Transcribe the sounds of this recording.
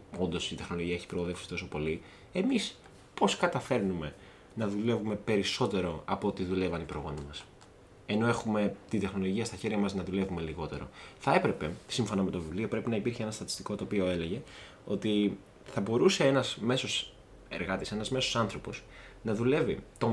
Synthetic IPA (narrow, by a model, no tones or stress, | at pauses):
o̞nd̪o̞sit̪e̞xno̞loʝiɐe̞çi̥pɾoɣoðefsi̥t̪o̞so̞po̞li | e̞mis | po̞skɐt̪ɐfe̞ɾnume̞ | nɐðule̞vume̞pe̞ɾiso̞t̪e̞ɾo̞ɐpoot̪iðule̞vɐnipɾoɣo̞nimɐs | e̞no̞e̞xume̞t̪ind̪e̞xno̞loʝiɐst̪ɐçe̞ɾʝɐmɐznɐðule̞vume̞liɣo̞t̪e̞ɾo̞̰θɐe̞pɾe̞pe̞siɱfo̞nɐme̞t̪ovivlio̞pɾe̞pinɐipiɾçeenɐst̪ɐt̪ist̪iko̞t̪oːpio̞e̞le̞ʝe̞ | o̞t̪i | θɐbo̞ɾuse̞enɐzme̞so̞s | e̞̰ɾɣɐt̪ise̞nɐzme̞sosɐnθɾo̞po̞s | nɐðule̞vit̪o̞